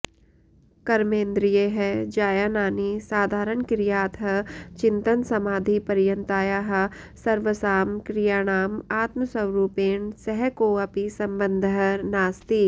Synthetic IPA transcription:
kɐɾmẽːnd̪ɾijeɦɛd͡ʒaːjaːnaːnisaːd̪ʱaːɾənkɾijaːt̪ɦɐt͡ʃɪ̃nt̪ənsɐmaːd̪ʱipɐɾjə̃nt̪aːjaːɦɐsɐɾʋəsaːmkɾijaːɽ̃aːmaːt̪məsɐwɾuːpeːɳsɛɦɛkoːɐpisɐ̃mbə̃nd̪ʱɦɐnaːst̪iː

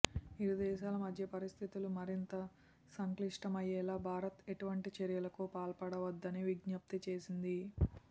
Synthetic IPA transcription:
iɾud̪ɛːʃaːlɐmɐd̪ʱjɐpɐɾist̪ʰit̪ulumɐɾint̪ɐ | sɐŋkliʂʈɐmɐjɛːlaːbʱaːɾɐt̪eʈuʋɐɳʈit͡ʃɐɾjɐlɐkupaːlpɐɽɐʋɐd̪ːɐniʋiɡɲɐp̚t̪it͡ʃeːsind̪i

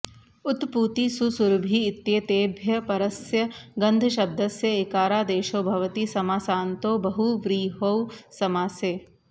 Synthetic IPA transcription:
ʊt̪puːt̪isusuɾbʱiːɪt̪jeːt̪eːbʱjɐpɐɾɐsjɐɡɐnd̪ʱɐʃɐb̚d̪ɐsjɐɪkaːɾaːd̪eːʃoːbʱɐʋɐt̪isɐmaːsaːnt̪oːbɐɦuʋɾiːɦowsɐmaːsjeː

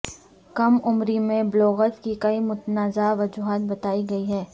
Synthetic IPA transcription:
kɐmʊmɾimẽblɔːɣət̪kikɐimʊt̪naːzaʋɐd͡ʒuːɦaːt̪̚bɐt̪aːiɡɐiɦɛː

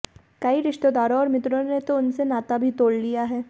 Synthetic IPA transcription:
kaiɾɪʃt̪od̪aːɾõɔːɾmɪt̪ɾonet̪oʊnsenaːt̪abʱit̪oːɽlijaɦɛː

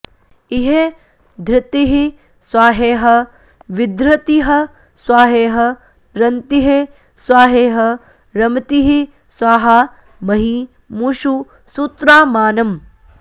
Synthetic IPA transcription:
iɦe | d̪ʱɾɪt̪iɦi | swaːɦeːɦɐ̆ | ʋid̪ɾɐt̪iɦɐ | swaːɦeːɦɐ | ɾɐnt̪iɦe | swaːɦeːɦɐ | ɾɐmt̪iɦi | swaːɦɐ | mɐɦi | muʃu | suːt̪ɾaːmaːnɐm

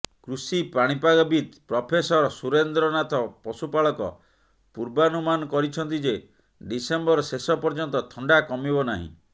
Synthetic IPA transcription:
kɾusipaɽ̃ipaɡɔbit̪pɾɔpʰesɔɾɔsuɾend̪ɾɔnat̪ɔpɔsupaɭɔkɔ̰ | puɾbanumanɔkɔɾit͡ʃʰɔnt̪̬id͡ʒe | ɖisembɔɾɔsesɔpɔɾd͡ʒɔnt̪ɔt̪ʰɔɳɖakɔmibɔnaɦḭ̃

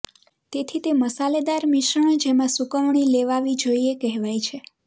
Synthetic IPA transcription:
t̪et̪ʰit̪eməsaled̪aɾmɪʃəɳ̃d͡ʒemãsukəʋɳ̃ileʋaʋid͡ʒoiekɛɦʋajt͡ʃʰe

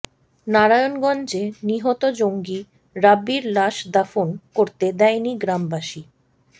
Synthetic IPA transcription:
naɾajonɡɔnd͡ʑeniɦɔt̪od͡ʑoŋɡi | ɾabːiɾlaʃd̪afonkoɾt̪ed̪ɛjniɡɾambaʃi

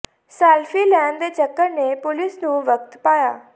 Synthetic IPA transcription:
saːlfilɛ̃ːnd̪et͡ʃɐkːəɾnepʊlɪsnũʋəkt̪paːja̰ː

